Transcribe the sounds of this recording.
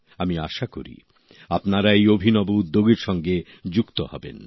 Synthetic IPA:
amiaʃako̰ɾḭ | apnaɾaejobʱinɔboud̪ːoɡeɾʃɔŋɡe | d͡ʑukt̪o̰hɔ̰bḛn

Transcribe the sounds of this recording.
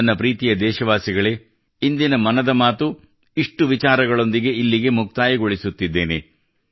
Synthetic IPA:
ɐnːɐpɾiːt̪ijɐd̪ɛːʃɐʋaːsiɡɐɭe | ind̪inɐmɐnɐd̪ɐmaːt̪u | iʂʈuʋit͡ʃaːɾɐɡɐɭo̞nd̪iɡe̞ilːiɡe̞muk̚t̪aːjɐɡo̞ɭisut̪ːid̪ːe̞ːne̞̰

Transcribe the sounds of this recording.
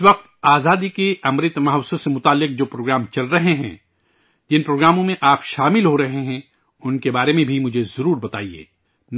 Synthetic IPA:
ʋɐq̚t̪aːzaːd̪ikeʔɐmɾɪt̪mɐɦʋsõsemʊt̪aːlːɪq̚d͡ʒoːpɾoːɡɾaːmt͡ʃɐlɾɐɦeɦɛ̰̃ | d͡ʒɪnpɾoːɡɾaːmõmẽʔaːpʃaːmɪlɦoɾɐɦeɦɛ̃ | ʊnkebaːɾemẽbʱimʊd͡ʒʱezɐɾuːɾbɐt̪a̰ːiḛː | n

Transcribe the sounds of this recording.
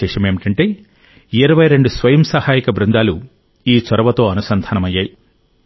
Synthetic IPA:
ɛːʂɐme̞ːmiʈɐɳʈe̞ː | iɾɐʋɐjɾe̞ɳɖusʋɐjɐmsɐhaːjikɐbɾɪnd̪aːlu | iːt͡ʃɐɾɐʋɐt̪o̞ːɐnusɐnd̪ʱɐːnɐmɐjːaːji

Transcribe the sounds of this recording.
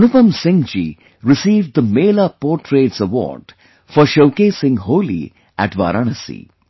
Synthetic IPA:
nʊpɐmsɪ̃ŋd͡ʒḭ | ɾɪsiːʋɖd̪əmeːlapɔːɾʈɾeːʈsəʋɔ̰ːɾɖ | fɔɾʃoʊkeːsɪ̃ŋɦoːlḭ | æʈʋa̰ːɾaːɳəsḭː

